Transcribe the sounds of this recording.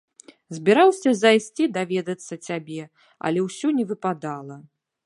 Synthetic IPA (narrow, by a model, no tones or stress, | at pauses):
zʲbʲiɾawsʲɐzajsʲt͡sʲid̪avʲɛd̪ɐt̪sːɐt͡sʲabʲɛ | ɐ̰lʲɛwsʲɔnʲɛvɨpad̪alˠɐ